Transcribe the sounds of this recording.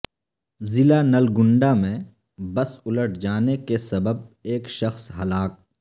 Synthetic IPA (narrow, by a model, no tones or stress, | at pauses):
zɪlanɐlɡʊ̃ɳɖamẽ | bɐsʊləʈ̚ʰd͡ʒaːnekesɐbəb̚eːkʃɐxsɦɐlaːk̚